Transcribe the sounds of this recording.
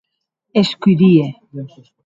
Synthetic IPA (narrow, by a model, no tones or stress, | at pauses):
eskuiðie